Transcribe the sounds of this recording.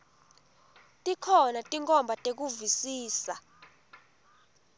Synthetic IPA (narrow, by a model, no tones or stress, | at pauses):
tʼikʰɔnatʼiŋkʼɔmbʱatʼek̬uvisiːsa̰